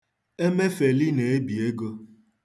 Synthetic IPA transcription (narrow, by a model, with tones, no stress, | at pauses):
e˦me˦fe˨li˦ne˨e˦bi˨e˦ɡo˦˧